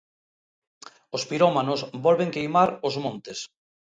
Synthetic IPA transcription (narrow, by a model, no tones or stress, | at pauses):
ospiɾɔmanʊsbɔlβeŋkejmaɾozmõnt̪es